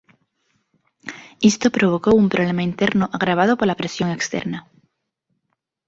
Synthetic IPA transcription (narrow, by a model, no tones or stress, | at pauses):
ist̪opɾo̞β̞o̞ko̞umpɾoβ̞le̞maint̪eɾnoʔaɣɾaβ̞að̞opoɾlapɾe̞sjo̞ŋe̞kst̪ḛɾna